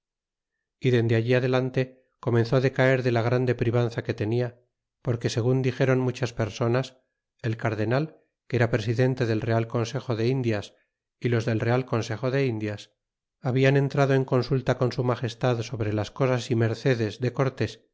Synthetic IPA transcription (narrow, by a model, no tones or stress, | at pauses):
iðe̞nd̪eaʝiaðe̞lant̪e̞ | ko̞mẽ̞nθo̞ðe̞kae̞ɾðe̞laɣ̞ɾand̪e̞pɾiβ̞anθake̞t̪e̞nia | po̞ɾke̞se̞ɣ̞und̪ixe̞ɾo̞nmut͡ʃaspe̞ɾso̞nas | e̞lkaɾðe̞nal | keɾapɾe̞siðe̞nt̪e̞ðe̞lre̞alko̞nse̞xo̞ðe̞ind̪jas | ilo̞zðe̞lre̞alko̞nse̞xo̞ðe̞ind̪jas | aβiane̞nt̪ɾað̞o̞e̞ŋko̞nsult̪ako̞nsumaχe̞st̪aðso̞βɾe̞lasko̞sasime̞ɾθe̞ðe̞zðe̞ko̞ɾt̪e̞s